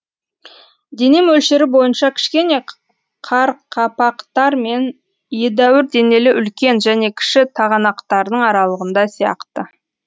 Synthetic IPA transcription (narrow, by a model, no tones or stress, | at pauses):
d̪e̞ne̞mɵlʃeɾɪbo̞jənʃɑkʲʰɪ̥ʃkʲe̞ne̞ | qʰɑɾqʰɑpɑqt̪ɑɾme̞n | je̞d̪æwɪɾd̪e̞ne̞lɪʔʏlkʲe̞nʒæne̞kʲʰɪ̥ʃɪt̪ʰɑʁɑnɑqt̪ɑɾd̪əɴɑɾɑlˠəʁənd̪ɑsijɑ̰qt̪ə